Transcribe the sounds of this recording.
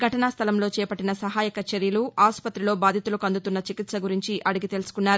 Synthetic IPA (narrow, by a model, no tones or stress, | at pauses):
ɡʱɐʈɐnaːst̪ʰɐlɐmloːt͡ʃɛːpɐʈːinɐsɐɦaːjɐkɐt͡ʃeɾjɐluʔaːspɐt̪ɾilo̞ːbaːd̪ʱit̪ulɐkɐnd̪ut̪unːɐt͡ʃikit̪sɐɡuɾiɲt͡ʃiʔɐɽuɡit̪e̞lusu̥kunːaːɾu